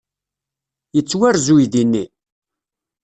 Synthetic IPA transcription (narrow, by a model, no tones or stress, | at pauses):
jət͡sːwæɾzujðinːi